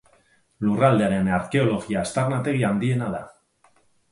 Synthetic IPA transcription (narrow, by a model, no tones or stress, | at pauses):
lurald̪e̞aɾenaɾke̞o̞lo̞ɣiast̪arnat̪e̞ɣ̞iand̪ie̞naða